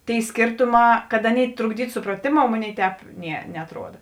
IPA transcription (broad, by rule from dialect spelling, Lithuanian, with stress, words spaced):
tʲeːɪ ˈsʲkʲeːrtʊˌmɑː kɐt ˈɑːˌnʲeːɪ trʊɡˈdʲiːtʊ sʊprɐˈtʲeːmoːʊ ˈmoːˌnʲeːɪ ˈtʲɛːp ˈnʲiɛ nʲɛɐtˈruɔdɐ